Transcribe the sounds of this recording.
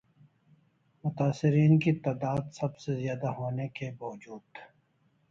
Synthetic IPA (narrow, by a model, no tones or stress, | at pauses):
mʊt̪aːsɪɾiːnkit̪aːd̪aːd̪sɐbsezijaːd̪aɦoːnekebaːwd͡ʒuːd̪